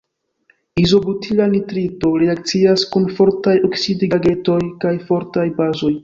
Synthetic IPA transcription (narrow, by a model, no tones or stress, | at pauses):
izo̞butʰilanitɾito̞ɾeak̚t͡siaskunfo̞ɾtajo̞ksidiɡaɡe̞to̞jkajfo̞ɾtajbazo̞j